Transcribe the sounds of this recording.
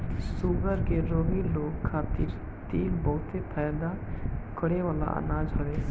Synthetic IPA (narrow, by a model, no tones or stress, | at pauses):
suːɡəɾkeɾoːbiloːɡkʰːaːt̪ɪɾ | t̪iːlbɔːʊt̪epʰɛːjd̪akʰəɽeʋaːla̰ʔə̰naːd͡ʒɦɐʋeː